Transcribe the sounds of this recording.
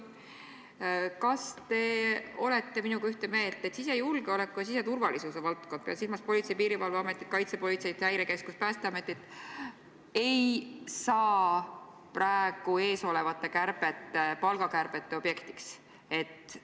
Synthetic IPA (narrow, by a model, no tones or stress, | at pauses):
kɑst̪e̞o̞le̞t̪ˑːe̞minukɑyht̪e̞me̞ːlt̪ˑːe̞t̪sise̞julɡ̥eo̞lekːˑujɑs̬ise̞t̪urvɑlisuse̞vɑlt̪kod̪̥̚pḛlsilmɑspo̞lʲit̪sejpiːɾivɑlveɑme̞t̪ːˑit̪̚kɑjt̪se̞po̞lʲit̪sejt̪hæjɾe̞ke̞skuspæːst̪eɑme̞t̪ːˑit̪ | e̞jsɑː | præeɡ̥ue̞ːso̞le̞vɑt̪ˑːe̞kærb̥e̞t̪ˑːepɑlɡɑkærb̥e̞t̪ːe̞o̞b̥je̞kt̪i̥ks | e̞t̪ːˑ